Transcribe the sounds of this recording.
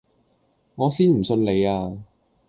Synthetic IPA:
ŋɔː˨˧siː˥nm̩˨˩sɵ˧nle˨˧jaː˧

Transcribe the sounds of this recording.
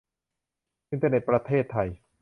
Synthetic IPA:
ʔi˧nt̪a˧ne˨˩t̪̚pɾa˧t̪ʰeː˥˩t̪ʰːa˧j

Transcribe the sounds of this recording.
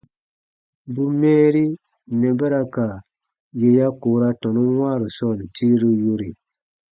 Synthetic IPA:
bu˦mɛ̃ː˦ɾi˦ | nɛ˨bɛ˦ɾa˧ka˨ | je˧ja˦koː˨˦ɾa˧tɔ̃˨nu˦waː˦˨ɾi˨sɔ˦˨n˨ti˦ɾi˦jo˧ɾi˨

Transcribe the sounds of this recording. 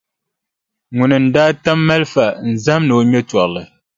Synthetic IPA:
ŋu˨nɨ˨n̩˨daː˦ta˦mːɛ˦lfa˦˨n̩˨za˦mno˨ɲɛ˦twɔ˨ʔlɨ˨

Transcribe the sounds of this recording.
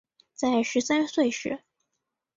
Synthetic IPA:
t͡sa˥˩ɪʂɻ̩˧˥sa˥nswe˥˩ɪɕɻɛ̰˧˥

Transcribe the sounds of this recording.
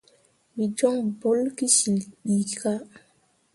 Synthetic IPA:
mi˨d͡ʒɔ˦ŋbo˦lki˦si˨lɓi˨ki˨˦ka˦

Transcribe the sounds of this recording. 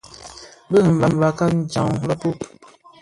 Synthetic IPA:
bə˦˨ɱ̩˨va˨m˨va˨ka˦n̩˦˨d͡ʒã̰˨ŋla˦pu˦˨p

